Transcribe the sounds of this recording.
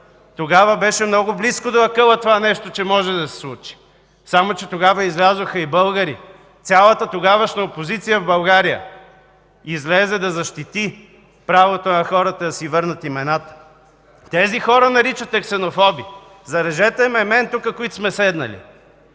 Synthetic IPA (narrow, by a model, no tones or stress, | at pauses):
t̪oɡavəbɛʃɛmnɔɡʊbliskod̪ɐɐkɤlˠət̪ovanɛʃt̪ot͡ʃɛmɔʒɛd̪ɐsɛ̥slˠut͡ʃi̥ | samot͡ʃɛt̪oɡavəizlʲazvoxɐibɤlˠɡəɾḭ | t̪sʲalˠət̪ət̪oɡavəʃnɐopozit̪sijəvbɐlˠɡaɾijə̰ | izlɛzɛd̪ɐzɐʃt̪it̪i | pɾavot̪onɐxɔɾət̪əd̪ɐsivɤɾnɐt̪imɛnat̪ə̥ | t̪ɛzixɔɾənɐɾit͡ʃət̪ɛksɛnofɔbḭ | zɐɾɛʒɛt̪ɛmɛmɛnt̪ukəkoit̪o̥smɛsɛd̪nɐə̰lḭ